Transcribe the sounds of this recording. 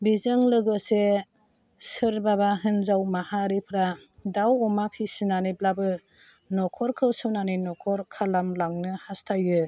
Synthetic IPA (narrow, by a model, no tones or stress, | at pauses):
bizɯŋlɯɡɯse | sɯɾbabaɦɯnzawmahaɾipʰɾa | dawɔmapʰisinaniblabɯ | nɔkʰɔɾkʰɯwsɯwnaninɔkʰɔɾkʰalamlaŋnɯhastʰajɯ